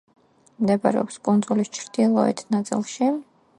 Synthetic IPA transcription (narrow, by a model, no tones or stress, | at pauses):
md̪ɛbaɾɛ̰ɔpskʼund̪zulist͡ʃʰɾd̪ilˠɔɛ̰t̪ʰnat̪sʼḭlˠʃi